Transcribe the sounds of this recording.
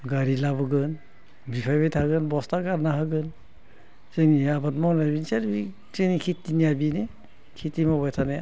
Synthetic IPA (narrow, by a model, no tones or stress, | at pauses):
ɡaɾilabɯɡɯn | bipʰajbajtʰaɡɯnbɔstaɡaɾnaɦaɡɯn | seniabat̚mɔnajbinseɾbi | t͡ʃenikʰitːiniabine | kʰitimɔβajtʰane